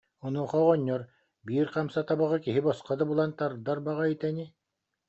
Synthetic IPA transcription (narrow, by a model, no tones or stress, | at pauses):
unuɔχɔʁɔɲːɔɾ | biːɾqamsat̪abaʁɯkiɦibɔsqad̪abulˠant̪aɾd̪aɾbaʁait̪ɛni